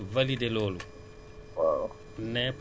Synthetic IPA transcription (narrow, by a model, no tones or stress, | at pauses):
valideloːlu | waw | nɛp